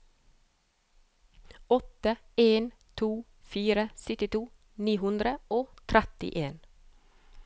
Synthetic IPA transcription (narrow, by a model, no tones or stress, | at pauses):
ɔt̪əeːnt̪ʰuː | fiːɾəsʏt̪ɪt̪ʰuː | niːhʉnd̪ɾəoːt̪ʰɾɛt̪ɪ̰ʔeːn